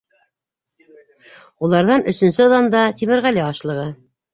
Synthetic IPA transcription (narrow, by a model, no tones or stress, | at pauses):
ulˠɑɾðɑnɵ̆sɵ̆nsɵðɑnd̪ɑt̪imɘ̆ɾʁælæɑʃlˠɤ̆ʁɤ